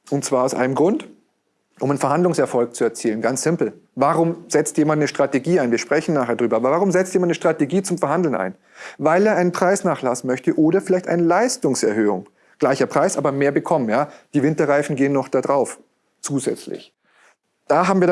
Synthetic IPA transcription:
ʔʊntt͡sv̥aːɐaʊsʔa̰ɪnəmɡʁʊnt | ʔʊmanfɛɐhandlʊŋsɛɐfɔlk̚t͡suɛɐt͡siːlənɡant͡sz̥ɪmpl̩ | vaʁʊmz̥ɛt͡stjeːmantnəʃtʁ̥ateɡiːaɪnviːɐʃpʁ̥ɛçn̩naːχeːɐdʁyːbɐaːbɐvaːʁʊmzɛt͡stjeːmanəʃtʁ̥ateɡiːt͡sʊmfɛɐhandl̩nʔa̰ɪn | vaɪleːɐʔaɪnənpʁ̥aɪsnaːχlasn̩mœçtəʔoːɾɐfɪlaɪçtʔa̰ɪnəlaɪstʊŋsɛɐhøːʊ̰ŋ | ɡ̥laɪçɐpʁ̥aɪsʔaːbɐmeːɐbəkʰɔmənjaːd̥iːvɪntɐʁaɪfn̩ɡeːənːɔχd̥adʁaʊf | t͡suːzɛt͡slɪ̰ç | d̥aːɦaːbm̩iɐ

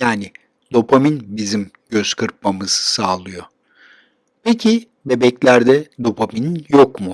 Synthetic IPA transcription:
jaːnɪ | d̪o̞pʰaminbizimɟ̥ø̞z̥kʰɯɾp̚mamɯz̥saːlˠɯjo | pʰecʰi | be̞bɛclʲæɾd̪ɛd̪o̞pʰamininjo̞kmʊ

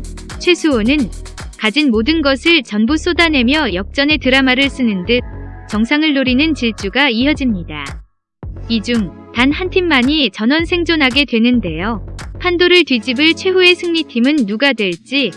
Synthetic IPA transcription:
t͡ɕʰwe̞sʰuonɯn | kad͡ʑinmodɯnɡʌsʰɯɭt͡ɕʌnbus͈odane̞mjʌjʌk̚t͡ɕ͈ʌne̞tɯɾamaɾɯɭs͈ɯnɯndɯk̚t͡ɕʌŋsʰaŋɯɭːoɾinɯnt͡ɕiɭt͡ɕ͈uɡaijʌd͡ʑimɲida | id͡ʑuŋ | tanhantʰimːaɲit͡ɕʌnwʌnsʰe̞ŋd͡ʑonɦaɡe̞dwe̞nɯnde̞jopʰandoɾɯɭtɥid͡ʑibɯɭt͡ɕʰwe̞ɦue̞sʰɯŋɲitʰimɯnːuɡadwe̞ɭt͡ɕ͈i

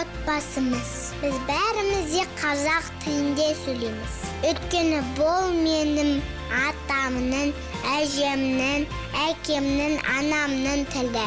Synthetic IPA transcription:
ot̪̚pɑsəməz | b̥ɪzbæɾɪmɪzd̪e̞qʰɑzɑqt̪ʰəjɪnd̪e̞sɵlemɪz̥ɵjt̪̚kʲe̞nɪbolˠme̞nɪm | ɑt̪ɑmnəɴ | æʒe̞mnɪŋ | ækʲe̞mnɪŋɑ̰nɑmnənt̪ʰɪld̪ɪ

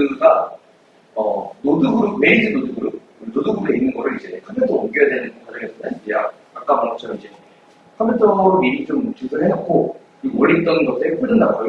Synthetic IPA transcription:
ɯɡa | ʌnoduɡuɾumeidɯnoduɡɯɾup̚ | noduɡuɾeinːɯnɡʌɾɯɾid͡ʑe̞kʰʌmpʰetʰʌomɡojadwenɯnɡʌkad͡ʑʌŋesʰʌtʰaideja | ak͈̚aŋɡʌt͡ɕʰʌɾʌmid͡ʑe̞ | kʰʌmpʰetʰʌɾminit͡ɕʰɯɾumut͡ɕʰisʰɯɭɦeʌt̚k͈ʰo | mʌɭːit͈ʌnnɡʌsʰek͈ɯnɯndakʌ

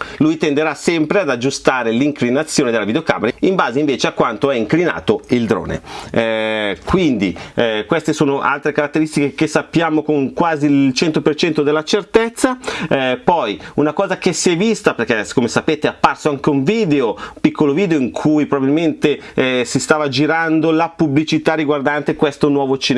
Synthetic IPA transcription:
lujt̪end̪eɾasɛmpɾead̪ad͡ʒːust̪aːɾeliŋklinat̪sːjoːned̪elavid̪eoka̰ːmeɾaimbaːzeiɱveːt͡ʃeakwant̪oɛiŋklina̰ːt̪oild̪ɾo̰ːnḛ | kwind̪ikwest̪esoːnoʔa̰lt̪ɾekaɾat̪ːeɾist̪ikek̟esːapːjaːmokoŋkwaːzilt͡ʃɛnt̪opert͡ʃɛnt̪od̪elːat͡ʃert̪et̪sːapɔjunakɔːzakesiɛvist̪aperk̟ɛkomesapeːt̪eapːarsoaŋkeuɱviːd̪eopikʰːoloviːd̪eoiŋkʰujpɾobabilment̪esist̪aːvad͡ʒiɾand̪olapublit͡ʃit̪arːiɡward̪ant̪ekwest̪onwɔːvot͡ʃin

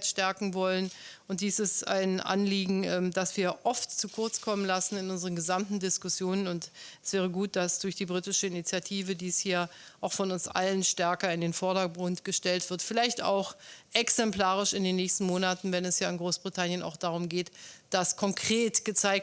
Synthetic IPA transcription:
tʃtɛɐkŋ̩vɔlənʔʊnt̚d̥iːsɪsta̰ɪnʔa̰nliːɡŋ̩ɛmdasv̥iːɐʔɔftt͡sukʰʊɐt͡skʰɔmənlasn̩ɪnʊnzəʁənɡəzamtn̩dɪskʊsjoːnənʊntʔɛsv̥ɛːʁ̞əɡuːt̚d̥asd̥ʊɐçd̥iːbʁitɪʃəɪnit͡sjatʰiːvədiːshiːɐ | ʔaʊxfɔnʊnsʔa̰lənʃtɛɐkɐɪndeːnfɔɐɾɐɡʁʊntɡ̥əʃtɛltv̥ɪɐtfɪlaɪçta̰ʊxʔɛksɛmpl̥aːʁ̞ɪʃɪndeːnːɛːçstn̩moːnatn̩vɛnɛsjaːɪnɡʁoːsb̥ʁitʰanjəna̰ʊxd̥aʁ̞ʊmɡeːtd̥askʰɔŋkʁ̥eːtɡ̥ət͡saɪk̚

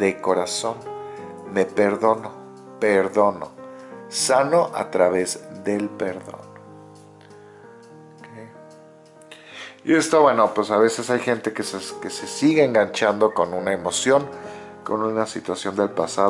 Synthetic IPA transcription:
ðeko̞ɾaso̞nme̞pe̞ɾðo̞no̞ | pe̞ɾðo̞no̞̰sano̞ʔa̰t̪ɾaβe̞zðe̞lpe̞ɾðo̞̰n | okej | ḭe̞st̪o̞βwe̞no̞pwesaβe̞se̞sajxe̞nt̪e̞keske̞se̞siɣeeŋɡaɲt͡ʃand̪o̞ko̞nunaemo̞sjo̞ŋ | ko̞nũnasit̪wasjo̞nd̪e̞lpasa

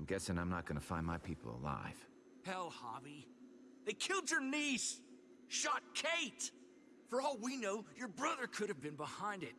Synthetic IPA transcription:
mɡɛsɪ̃ŋãɪ̃mnət̚ɡ̥ʌnəfãɪ̃nmaɪpʰipl̩ˠə̰la̰ɪv̥ | hɛlˠhɑbi | ðeɪkʰɪlˠd͡ʒə˞nis | ʃɑt̚kʰeɪt | fə˞ɔlˠwinoʊjə˞bɹʌðə˞kʰʊɾɨvbɨ̃nbəhãɪ̃ndɨt̚

